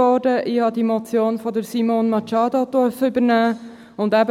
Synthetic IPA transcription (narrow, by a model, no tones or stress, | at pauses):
ɔːdəʔɪːhɑdimɔt͡sjoːnfɔd̪əɾsimonmɑt͡ʃɑːdod̥̪ɔɾfəʏbəɾnæː | ʊndæb